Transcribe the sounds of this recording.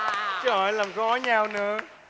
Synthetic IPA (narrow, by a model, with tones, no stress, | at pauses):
t͡ɕə˨˦hɔ˧˨˩jlaː˨˩mɣɔ˨˦jɲaː˧˩wnɨ̰˧˩˨ə